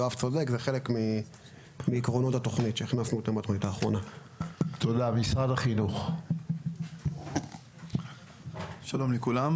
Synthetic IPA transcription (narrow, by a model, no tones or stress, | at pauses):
oavt͡sod̪ekzeχe̞le̞kmi | miːkʁo̞not̪at̪o̞χnit̪ʃeiχnasnuit̪ambat̪oχnitaːχʁo̞na | t̪ʰod̪amisʁadaχinuχ | ʃalo̞mlekulam